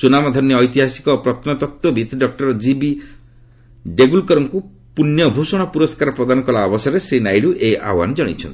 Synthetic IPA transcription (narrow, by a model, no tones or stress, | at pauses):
sunamɔd̪ʱɔnjɔːjt̪iɦasi̥kɔpɾɔt̪nɔt̪ɔt̪wɔbʱit̪ɖɔk̚ʈɔɾɔd͡ʒibi | ɖeɡulkɔɾɔŋku | punːjɔbʱusɔɽ̃ɔpuɾɔskaɾɔpɾɔd̪anɔkɔlaɔbɔsɔɾesɾinajɽuʔeʔa̰wa̰nd͡ʒɔɽ̃ḭt͡ʃʰɔ̰nt̪i̥